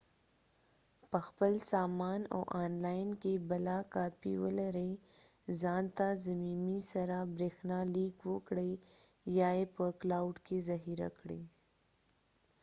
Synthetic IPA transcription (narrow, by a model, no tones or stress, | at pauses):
pəxpəlsaːmaːno̰ʔaːnlaːɪnkebɐlakaːpḭwə̰lɐɾe | zaːnt̪azɐmiːmisɐɾabɾeːxnaliːkwokɽe | jaːepəklaːwʊɖkezɐɦiɾa̰kɽḛː